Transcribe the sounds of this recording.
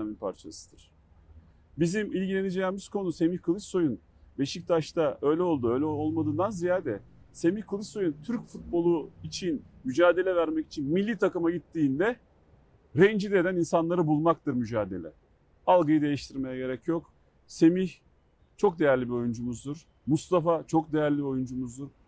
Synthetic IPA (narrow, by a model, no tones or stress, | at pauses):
aminpʰa̰ɾt͡ʃʰa̰sɯ̥d̪̥ɯɾ̥ | bizimilʲɟilʲe̞ned͡ʒemiz̥kʰo̞nuse̞miçkʰɯlˠɯsso̞jun | be̞ʃic̚t̪ʰaʃt̪aø̞jlʲɛo̞lˠd̪uø̞jlʲɛo̞lˠmad̪ɯːnd̪anzijaːd̪ɛ | se̞miçkʰɯlˠɯsso̞junt̪ʰyɾcfut̪̚bo̞lˠuit͡ʃʰinmyd͡ʒaːd̪e̞lʲɛvæɾmɛci̥t͡ʃʰinmilʲːit̪ʰakɯmaɟit̪ːiːnd̪ɛ | ɾɛnd͡ʒid̪e̞d̪æninsanlˠaɾɯbulˠmak̚t̪ʰɯɾmyd͡ʒaːd̪e̞̰lʲɛ̰ | alˠɡɯjɯd̪e̞jiʃt̪ʰiɾme̞jaɟe̞ɾɛcjo̞k | se̞miç | t͡ʃʰo̞k̚d̪e̞jæɾlʲibio̞jund͡ʒumuzd̪uɾ̥ | must̪afat͡ʃʰo̞k̚d̪e̞jæɾlʲibio̞jund͡ʒumuzd̪uɾ